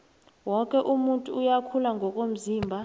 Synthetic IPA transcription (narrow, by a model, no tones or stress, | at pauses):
wɔkʼɛʔumuntʼuːjakʰulaŋɡʱɔkʼom̩ziːmbʱa